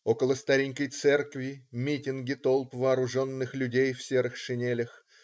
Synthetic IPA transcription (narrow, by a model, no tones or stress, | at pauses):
o̞kəlˠəst̪ɐɾʲiŋʲkəjt̪sɛrkvʲɪmʲitʲɪnɡʲɪt̪o̞lˠpvɐːɾʊʐo̞nːɨxlʲʉdʲejfsʲeɾɨxʂɨnʲelʲɪx